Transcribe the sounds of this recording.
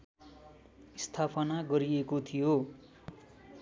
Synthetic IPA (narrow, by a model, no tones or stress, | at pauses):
ist̪ʰapʰʌnaɡʌɾiekot̪ʰijo